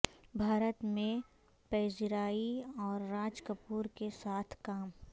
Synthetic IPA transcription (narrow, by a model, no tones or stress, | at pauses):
bʱaːɾət̪mẽ | pɛːd͡ʒɾaːiɔːɾːaːd͡ʒkəpuːɾkesaːt̪ʰkaːm